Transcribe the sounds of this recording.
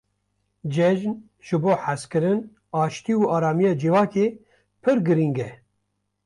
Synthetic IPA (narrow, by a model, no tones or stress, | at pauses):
d͡ʒɛʒn | ʒ̥ɨboːħaskɨɾɨn | ɑːʃt̪iːuʔɑːɾɑːmijɑːd͡ʒivɑːke | pʰɨɾɡɨɾiŋɡɛ